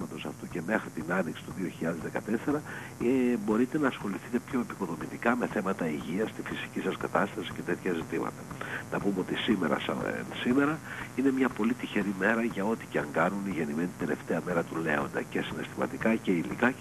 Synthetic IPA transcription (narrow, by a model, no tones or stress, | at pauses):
mɐt̪o̞sɐ̰ft̪uce̞me̞xɾit̪inɐniksi̥t̪uðio̞çiʎɐðe̞zðe̞kɐt̪e̞se̞ɾɐ | bo̞ɾit̪e̞nɐːsxo̞liθit̪e̞pço̞e̞piko̞ðo̞mit̪ikɐme̞θe̞mɐt̪ɐiʝiɐst̪ifisi̥cisɐskɐt̪ɐst̪ɐsi̥ce̞t̪e̞t̪çɐzit̪imɐ̰t̪ɐnɐpumeo̞t̪isimeɾɐ̰ssime̞ɾɐine̞mɲɐpo̞lit̪içeɾime̞ɾɐʝɐo̞t̪i̥ceɐŋɡɐnuniʝe̞nimenit̪id̪e̞le̞̰ft̪e̞ɐme̞ɾɐt̪ule̞̰o̞̰nd̪ɐ̰cesine̞st̪imɐ̰t̪ikɐce̞ilḭkɐ